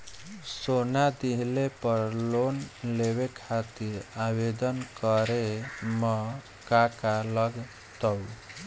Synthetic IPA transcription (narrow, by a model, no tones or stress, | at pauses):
sonad̪iɦlepʌɾlonlewekʰat̪iɾabed̪ʌnkʌɾemɔ | kakalʌɡ | t̪ɔw